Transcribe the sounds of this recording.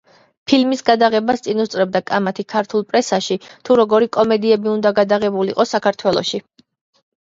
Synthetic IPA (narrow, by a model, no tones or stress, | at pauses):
pʰilmisɡad̪aʁɛbast̪sʼinust̪sʼɾɛb̚d̪akʼamat̪ʰikʰaɾt̪ʰulˠpʼɾɛsaʃit̪ʰuɾɔɡɔɾikʼɔmɛd̪iɛbiund̪aɡad̪aʁɛbuliqʼɔsakʰaɾt̪ʰwɛlˠɔ̰ʃi